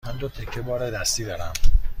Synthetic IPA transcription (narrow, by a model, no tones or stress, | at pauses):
ænd̪ot̪ʰekʰːebɒːɾed̪æst̪iːd̪ɒːɾæm